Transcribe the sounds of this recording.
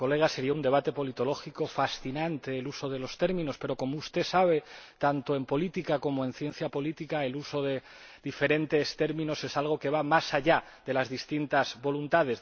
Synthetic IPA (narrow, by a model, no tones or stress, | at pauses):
ko̞le̞ɣ̞ase̞ɾiaund̪e̞β̞at̪e̞po̞lit̪o̞lo̞xiko̞fasθinãnt̪e̞ːluso̞ð̞e̞lo̞st̪e̞ɾmĩno̞spe̞ɾo̞ko̞moust̪e̞saβ̞e̞t̪ant̪o̞e̞mpo̞lit̪ikako̞moe̞nθje̞n̟θjapo̞lit̪ikaeluso̞ðe̞ | ðife̞ɾe̞nt̪e̞st̪e̞ɾmĩno̞se̞salɣ̞o̞ke̞β̞amasaʎa | ðe̞lazðist̪int̪azβo̞lunt̪að̞e̞z